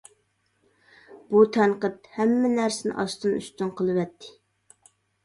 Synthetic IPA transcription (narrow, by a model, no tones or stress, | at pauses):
b̥ut̪ʰɛɴqət̪̚hɛmːɪnæɾsɪnɪ̰ʔɑst̪ɨny̰st̪ynqʰəlˠɨwɛt̪ʰːɪ̥